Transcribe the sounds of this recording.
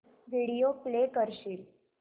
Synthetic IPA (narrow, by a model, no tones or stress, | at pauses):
ʋiɽijoplekəɾɕiːl